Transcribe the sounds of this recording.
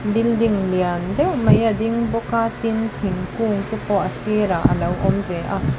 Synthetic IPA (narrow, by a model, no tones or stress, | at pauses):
bildiŋliandewmɐjɐd̪iŋbɔkat̪int̪ʰiŋkuŋt̪upɔʔɐsiɾaʔɐ̰lɐwʔɔmbeʔa